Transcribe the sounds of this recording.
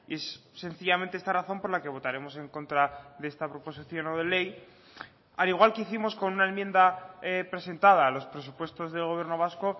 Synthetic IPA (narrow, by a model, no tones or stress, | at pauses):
ie̞sːe̞nθiʝamẽnt̪eest̪araθo̞mpo̞ɾlake̞βo̞t̪aɾe̞mo̞se̞ŋko̞nt̪ɾaðeest̪apɾo̞po̞siθjo̞no̞ð̞e̞le̞j | aliɣ̞walkeiθimo̞sko̞nunaemje̞nd̪aepɾe̞se̞nt̪að̞aːlo̞spɾe̞s̬upwe̞st̪o̞zðe̞lɣ̞o̞βje̞ɾno̞β̞asko̞